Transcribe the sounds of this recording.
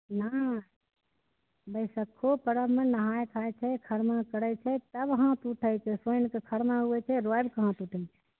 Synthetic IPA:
na | bəɪsəkʰːopəɾəmenəɦajkʰajt͡ʃʰɛkʰəɾmakəɾət͡ʃʰɛt̪əbɦãt̪uʈʰəjt͡ʃʰɛsonkekʰəɾmaɦuɛt͡ʃʰɛɾojbkəɦãt̪uʈʰət͡ʃʰɛ̥

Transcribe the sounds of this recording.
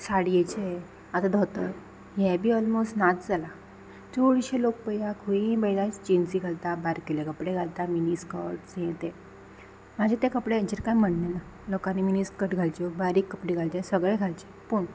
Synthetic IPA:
saɽijet͡ɕe | at̪ad̪ʱɔt̪ə | jɛbʱiːɔlmostnat͡sd͡zala | t͡soɽiɕelok̚pəjjakʰuĩbɛlat͡ɕinsiɡʱalt̪abaɾkilẽkəpɽeɡʱalt̪aminiskəʈt͡sẽt̪e | mad͡ʑʱet̪ẽkəpɽeət͡ɕiɾkajm̤əɽnela | lɔkãnːiminiskəʈɡʱalt͡ɕɔbaɾikːəpɽiɡʱalt͡ɕesəɡɭeɡʱalt͡ɕe̥ | puːɳ

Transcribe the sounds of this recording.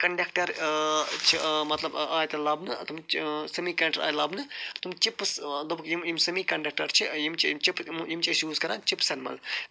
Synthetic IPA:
kɐɳɖɐkʈɐɾ | t͡ʃʰimɐt̪lɐbaːjt̪elɐbnɨt̪umsɐmiːkɐʈɐɾa̰ːjlɐbnɨt̪umt͡ʃipːsd̪ɐbkjimjimsɐmiːkɐɳɖɐk̚ʈɐɾt͡ʃʰijimt͡ʃt͡ʃipjimt͡ʃiʃjuːzkɐɾaːnt͡ʃipsɐnmɐ̰l

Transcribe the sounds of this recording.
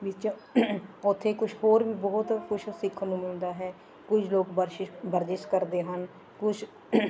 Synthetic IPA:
bit͡ʃ | ʊt̪ʰːeːkʊt͡ʃʰhoːɾʋiːbɔːʊt̪kʰʊʃsɪkʰːənũːmɪld̪aːɦɛː | kʊt͡ʃʰloːkbəɾʃɪbəɾd͡ʒ̪ɪʃkəɾd̪eːɦən | kʊt͡ʃʰ

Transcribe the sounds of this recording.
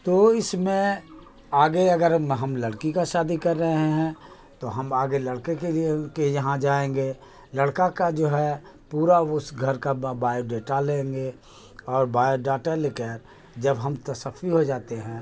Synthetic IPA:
t̪oːɪsmẽ | aːɡeɐɡəɾɦɐmlɐɽkikaʃaːd̪ikɐɾːɐɦeɦɛ̃ | t̪oɦɐmaːɡelɐɽkekeliekejɐɦãd͡ʒaːẽːŋɡe | lɐɽkakad͡ʒoːɦɛ | puːɾaʊsɡʱɐɾkabaːjoɖeːʈalẽːŋɡe | ɔːɾbaːjoɖaːʈɛlɪkɛːɾ | d͡ʒɐbɦɐmt̪ɐsəfiɦod͡ʒaːt̪eɦɛ̃ː

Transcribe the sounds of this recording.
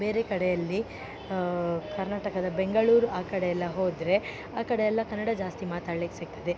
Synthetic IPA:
be̞ːɾekɐɽejɐlːi | kɐɾnaːʈɐkɐd̪ɐbe̞ŋɡɐɭuːɾuaːkɐɽejɛlːɐɦoːd̪ɾe̞ | aːkɐɽejɛlːɐkɐnːɐɽɐd͡ʒaːst̪imaːt̪aːɭekːesiɡ̚t̪ɐd̪e

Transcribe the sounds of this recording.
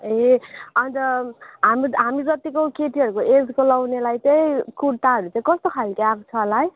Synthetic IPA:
eʌnt̪ʌɦamiɦamid͡zʌt̪ikokeʈiɦʌɾukoed̪kolawnelajt̪ʌjkuɽ̚t̪aɦʌɾut͡saĩkʌst̪okʰalkeakt͡sʰʌlaj

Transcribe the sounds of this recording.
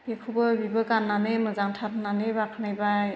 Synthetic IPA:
ekʰubɯbibɯkanːanɯmɯzaŋtʰatʰnanɯbakʰnajbaj

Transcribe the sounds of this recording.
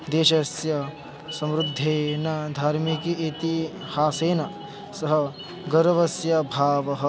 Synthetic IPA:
d̪eːʃɐsjɐ | sɐmɾud̪ʱːeːnɐd̪ʱaːɾmikiit̪i | haːseːnɐ | sɐɦɐ | ɡɐɾʋɐsjɐbʱaːʋɐɦɐ̆

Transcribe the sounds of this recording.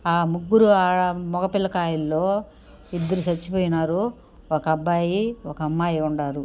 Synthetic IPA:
aːmuɡːuɾuaːmɔkɐpilːɐkaːjilːo̞ː | id̪ːɐɾusɐt͡ʃːipoːjinaːɾu | okɐɐbːaːjiɔkɐɐmːaːjiuɳɖaːɾu

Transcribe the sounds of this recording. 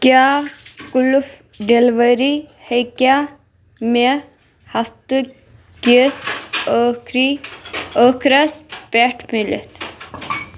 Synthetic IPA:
kʲakuluf | ɖelʋəɾihekʲa | me | hɐft̪ɨ | ɡest̪ | ɾi | əkʰɾɐspeʈʰmilḛt̪ʰ

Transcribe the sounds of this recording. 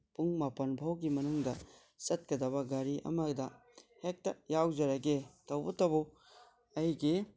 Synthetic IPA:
puŋmapɐnbʱawɡimɐnuŋdɐ | sɐt̚kɐdɐβɐɡaɾiʔɐ̰mɐdɐ | hek̚tɐjawzɐɾɐɡetɐwbɐtɐbu | ɐjɡi

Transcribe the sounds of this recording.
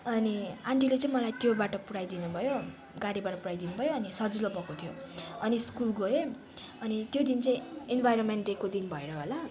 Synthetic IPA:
ʌniaɳʈilet͡sʌĩmʌlajt̪jobaʈʌpuɽajd̪inubʱʌjo | ɡaɽibaʈʌpuɽajd̪inubʱʌjoʌnisʌd͡zulobʌkot̪ʰijoʌniskulɡoe | ʌnit̪jod̪int͡sʌĩenbʱajɾʌnmeɳʈdekod̪inbʱʌeɾʌɦola

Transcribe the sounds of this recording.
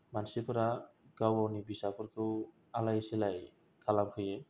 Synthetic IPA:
mansipʰɔɾaɡawawnibisapʰɔɾkʰew | alajselaj | kʰalamhʰuje

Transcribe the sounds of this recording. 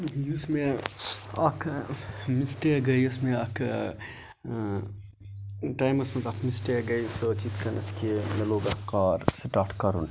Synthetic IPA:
jusme | ɐkʰmisʈeɡɐjɐsmeɐkʰ | ʈaːjmɐsmɐt̪ɐkʰmisʈeɡɐjsot͡ʃiːt̪ʰkɐnɐ̰t̪ʰkimɐloːɡɐkaːɾsʈaːɾʈkɐɾṵn

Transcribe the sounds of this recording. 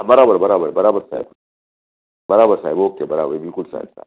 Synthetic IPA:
abɐɾaːbɐɾbɐɾaːbaɾbɐɾaːbɐsa̰ | bɐɾaːbɐsaːibokʲebɐɾababikʊlsa̰ːisa̰

